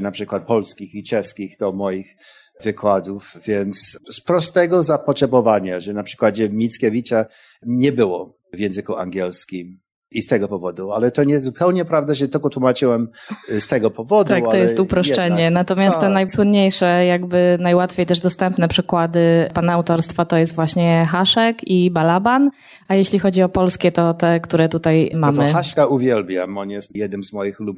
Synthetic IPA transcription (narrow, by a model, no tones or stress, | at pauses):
napʂɘkwat̪̚pɔlskʲixit͡ʂɛskʲixd̪̥ɔmɔjix | vɘkwad̪ufvʲjɛnt̪sspɾɔst̪ɛɡɔzapɔtʂɛbɔvaɲaʐɛnapʂɘkwad͡ʑɛmʲit̪skʲevʲit͡ɕa | ɲɛbɘwɔ | vʲjɛ̃ñzɘkuaŋɡʲɛlskʲim | ist̪ɛɡɔpɔvɔd̪ualɛt̪ɔɲɛzzupɛwɲɛpɾavd̪aʐɛt̪ɪlkɔt̪wumat͡ʂɘwɛmst̪ɛɡɔpɔvɔd̪t̪akkt̪ɔjɛst̪upɾɔʂt͡ʂɛɲɛnat̪ɔmʲjast̪t̪ɛnajswʊnɲejʂɛjaɡbɘnajwat̪fʲjejt̪ɛʐd̪ɔst̪ɛmpnɛpʂɘkwad̪ɘpanaawt̪ɔɾst̪fat̪ɔjɛst̪vwaɕɲɛxaʂɛkibalaban | ajeɕlʲixɔd͡ʑiɔpɔlskʲɛt̪ɔt̪ɛkt̪uɾɛt̪ut̪ajmamɘaʂkauvʲjɛlbʲja̰mɔnjɛst̪jɛd̪nɘmzmɔjixlub